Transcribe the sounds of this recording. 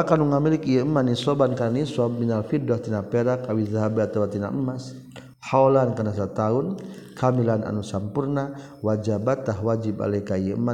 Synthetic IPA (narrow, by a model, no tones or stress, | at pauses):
akanuŋamilikjɛəmːanisɔbankaɾanisɔb̚inalfidɔt̪inapɛɾakawizaɦabɛat̪awat̪ina̰ʔəmas | haolankanasat̪aun | kʰamilana̰nusampurna | wad͡ʒabat̪aɦwad͡ʒiba̰lɛkajaəmːa